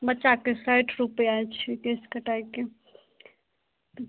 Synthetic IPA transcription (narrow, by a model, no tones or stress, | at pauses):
bətːʃakesaʈɾupeajt͡ʃʰikeskəʈaike | t̪